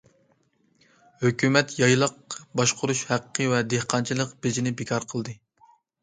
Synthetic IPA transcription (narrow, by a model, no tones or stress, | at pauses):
høkʲymɛt̪jɑjlˠəq̚bɑʃqʰʊɾuʃhæqʰːɨvɛd̪ehqʰɑnt͡ʃʰilˠəqbed͡ʒinɪbekʰɑɾqʰəlˠd̪ɨ